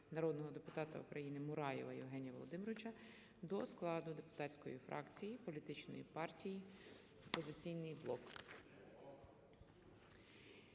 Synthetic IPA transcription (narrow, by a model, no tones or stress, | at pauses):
nɐɾɔd̪nɔɦɔd̪epʊt̪ɑt̪ɐṵkɾɐjinɪmʊɾɑjɛ̰ʋɐjɛ̰wɦɛnʲijɐʋɔlˠɔd̪ɪmɾɔɪt͡ʃɐ | d̪ɔsklˠɑd̪ʊd̪e̞pʊ̥t̪ɑtʲt͡sʲkɔ̰jifɾʔɑ̰kt͡sʲijipɔlʲit̪ɪt͡ʃnɔ̰jḭpɑrtʲiji | ɔpɔzɪt͡sʲijnɪjblˠɔk